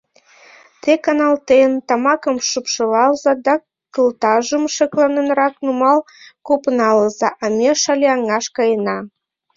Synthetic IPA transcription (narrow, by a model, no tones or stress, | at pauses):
t̪ekɑnɑlt̪ent̪ɑmɑkəmʃupʃəlɑlzɑd̪ɑ | kəlt̪ɑʒəmʃəklɑnənɾɑknumɑl | kopənɑləzɑʔɑmʲeʃɑlʲeɑŋɑʃkɑjənɑ